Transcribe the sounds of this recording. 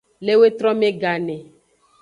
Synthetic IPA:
le˦we˦t̪ɾɔ˦mẽ˦ɡa˨nɛ̃˨

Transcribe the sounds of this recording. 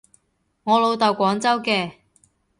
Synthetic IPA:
ŋɔː˨˧lo˨˧wt̪ɐ˨wkʷɔː˨˥ŋt͡sɐ˥wkɛː˧

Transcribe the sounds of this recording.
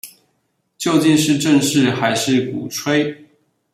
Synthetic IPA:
t͡ɕjo˥˧ʊt͡ɕi˥˧nʂɻ̩˥˧ʈ͡ʂə˥˧ŋʂɻ̩˥˨xa˧˥ɪʂɻ̩˥˩˨kṵ˨˩ʈ͡ʂʰwe˥ɪ

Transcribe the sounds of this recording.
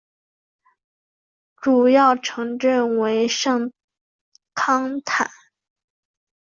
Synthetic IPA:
ʈ͡ʂu˨˩jɑ˥˩ʊʈ͡ʂʰɤ˧˥ŋʈ͡ʂə˥˩nwe˧˥ɪʂɑ˥˩ŋ | kʰɑ˥ŋt̪ʰa̰˨˩˦

